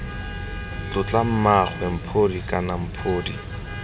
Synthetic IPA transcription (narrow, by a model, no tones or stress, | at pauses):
t͡ɬʊt͡ɬam̩maχʰwɛm̩pʰodikʼanam̩pʰoːdi